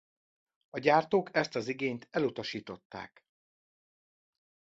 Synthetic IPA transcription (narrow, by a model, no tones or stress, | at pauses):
ɒɟaːrt̪oːkɛst̪ɒziɡeːɲt̪ʰɛlut̪ɒʃiːt̪o̞t̪ːa̰ːk